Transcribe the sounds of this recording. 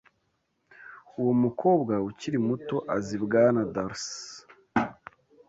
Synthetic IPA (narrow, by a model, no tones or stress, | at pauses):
uwomukʰo̞ːbɡauciɾimuto̞ʔazibɡanadaɾs